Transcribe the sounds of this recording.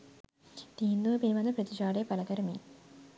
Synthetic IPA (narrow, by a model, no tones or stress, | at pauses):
d̪iːnd̪oːpinimɐnd̪ɐpɾɐt̪it͡ʃaːɽeːpɐlɐkɐɾɐmi